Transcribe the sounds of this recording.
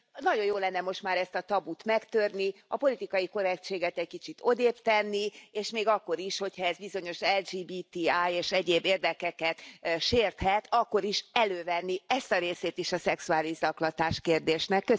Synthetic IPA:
nɒɟo̞joːlɛnːɛmo̞ʃt̪maːɾɛst̪ɒt̪ɒbut̪mɛkt̪ørniɒpo̞lit̪ikɒjiko̞ɾɛkt͡ʃeːɡɛt̪ɛc̚kit͡ʃit̪ʰo̞d̪eːpt̪ɛnːieːʃmeːɡɒkːo̞ɾiʃho̞chɒɛzbizo̞ɲo̞ʃɛld͡ʒiːbiːt̪iaːjeːʃɛɟeːbeːrd̪ɛkɛkɛt̪ʃeːrt̪hɛt̪ʰɒkːo̞ɾiʃɛløːvɛnːiɛst̪ɒɾeːseːt̪iʃɒsɛksuaːliʒɒklɒt̪aːʃkeːrd̪eːʃnɛkːø

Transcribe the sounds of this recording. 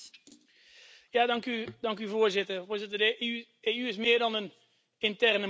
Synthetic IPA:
jaːdɑŋkydɑŋkyvoːɹzɪtərvʊːɹzɪtəd | eːyɪsmɪːɹdɑnən | ɪntɛrnə

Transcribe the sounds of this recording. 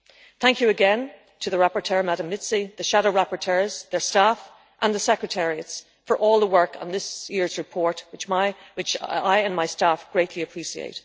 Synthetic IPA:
θæ̃ŋkjɨːɡɛ̃n | tʰəðəɹapə˞tʰɜɹmaɾə̃mːɪtsiðɨʃaɾoʊɹapəɹtʰɜ˞z̥ðə˞staf | ʔə̃nðəsɛkɹɨtʰɛɹiɨts | fə˞ʔɔːlˠðəwɜ˞kn̩ðɪsjɪɹzɹɨpʰɔɹt̚wɨt͡ʃmaɪwɪt͡ʃaɪə̃nmaɪstafɡ̥ɹeɪʔʰliɨpʰɹ̥iʃiḛɪt̚

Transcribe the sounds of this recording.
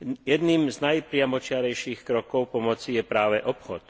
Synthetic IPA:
jɛd̪niːmznajpɾɪamɔt͡ʃɪaɾɛjʃiːxkɾɔkɔʊpɔmɔt͡sijɛpɾaːʋɛʔɔpxɔt̪

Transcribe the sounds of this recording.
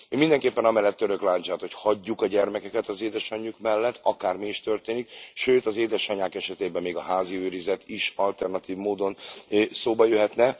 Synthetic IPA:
ømind̪ɛŋkeːpːɛnɒmɛlːɛt̪ːøɾø̞klaːɲt͡ʃaːt̪ho̞chɒɟːukɒɟɛrmɛkɛkɛt̪ɒzeːd̪ɛʃɒɲːukmɛlːɛt̪ʰːɒkaːrmiːʃt̪ø̞rt̪eːnik̚ʃøːt̪ɒzeːd̪ɛʃɒɲaːkɛʃɛt̪eːbɛmːeːɡɒɦaːziøːɾizɛt̪iʃɒlt̪ɛrnɒt̪iːvmoːd̪o̞nsoːbɒjøɦɛt̪nɛ

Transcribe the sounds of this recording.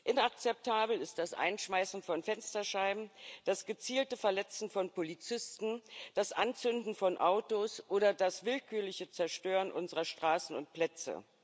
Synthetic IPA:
ʔɪnak̚t͡sɛp̚tʰaːbl̩ɪst̚d̥asʔa̰ɪnʃmaɪsn̩fɔnfɛnstɐʃaɪbm̩d̥asɡ̥ət͡siːltəfɛɐlɛt͡sn̩fɔnpʰolit͡sɪstn̩d̥asʔant͡sʏndn̩fɔnʔaʊtosʔoːɾɐdasvɪlkʰyːɐlɪçət͡sɛɐʃtøːʁənʔʊnzəʁɐʃtʁ̥aːsn̩ʊ̰nt̚pl̥ɛt͡sə̰

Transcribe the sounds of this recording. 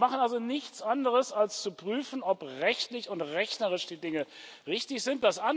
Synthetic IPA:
maχnalzonɪçt͡sʔandəʁəsalst͡supʁ̥yːfn̩ɔpʁɛçtlɪçʊntʁɛçnɐʁɪʃd̥iːdɪŋəʁɪçtɪçz̥ɪnt̚d̥asʔan

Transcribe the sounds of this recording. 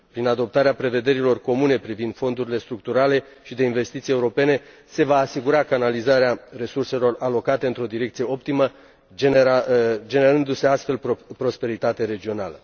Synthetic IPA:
pɾinad̪o̞p̚t̪aɾeapɾe̞ve̞d̪e̞ɾilo̞rko̞mune̞pɾivind̪̥fo̞nd̪uɾile̞st̪ɾuk̚t̪uɾale̞ | ʃid̪e̞inve̞st̪it̪sije̞uɾo̞pe̞ne̞ | se̞vaːsiɡuɾakanalizaɾeare̞surse̞lo̞ralo̞kat̪e̞ɨnt̪ɾo̞d̪iɾe̞kt̪sije̞o̞p̚t̪imə | d͡ʒad͡ʒe̞ne̞ɾɨnd̪use̞ast̪fe̞lppɾo̞spe̞ɾit̪at̪eɾe̞d͡ʒio̞na̰lə

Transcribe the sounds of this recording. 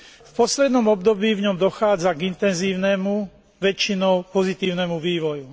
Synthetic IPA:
fpɔslɛd̪nɔmɔb̚d̪ɔbiːvɲɔmd̪ɔxaːd͡zaɡint̪ɛnziːʊnɛmu | ʋɛt͡ʃinɔʊpɔzit̪iːʊnɛmuʋiːʋɔju

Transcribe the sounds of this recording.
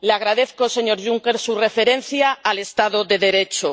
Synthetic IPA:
leaɣ̞ɾað̞eθkose̞ɲo̞ɾʝuŋke̞ɾsure̞feɾẽ̞n̟θjaːle̞st̪aðoðe̞ðe̞ɾet͡ʃo

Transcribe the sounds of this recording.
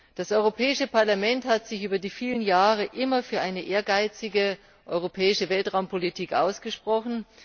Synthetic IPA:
d̥asʔɔʏʁopʰɛːɪʃəpʰaɐlamɛnthatz̥ɪçʔyːbɐdiːfiːlənjaːʁəʔɪmɐfyːɐʔaɪnəʔeːɐɡaɪt͡sɪɡə | ʔɔʏʁ̞opʰɛːɪʃəvɛltʁ̥aʊmpʰolitʰiːkʔa̰ʊsɡ̥əʃpʁ̥ɔχn̩

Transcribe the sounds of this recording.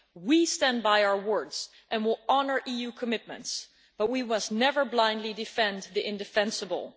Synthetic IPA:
wistæ̃nbaɪaʊə˞wɜ˞dz̥ | ʔɨ̃nwɪlˠɑnə˞ʔijʉkʰəmɪt̚mə̰̃nts | b̥ʌt̚wimʌstnɛvə˞blãɪ̃ndˡlidɨfɛ̃nðiʔɪ̃ndɨfɛ̃nsəbə̰l̩ˠ

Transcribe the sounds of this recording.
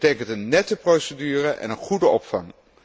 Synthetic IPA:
tejkəntənːɛtəprowsədyːrəʔɛ̰nənχudəɔpfɑŋ

